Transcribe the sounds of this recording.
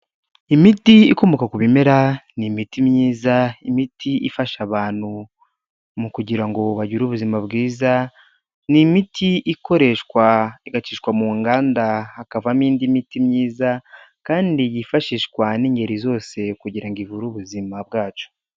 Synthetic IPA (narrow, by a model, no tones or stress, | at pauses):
imitiikomokakuβimeɾanimitimɲiːzaimitʰiʔifaʃaβaːn̥hu | mukuɟiɾaŋɡo̞βaɟuɾuβuzimabɡiːza | nimitʰiʔiko̞ɾe̞ʃkwaiɡat͡ʃiːʃkwamuŋɡaːndaakavamiːndimitimɲiːza | kaːndijifaʃiːʃkwaniːɲɟe̞ɾizo̞ːse̞kuɟiɾaŋɡivuɾuβuzimabɡaːt͡ʃo̥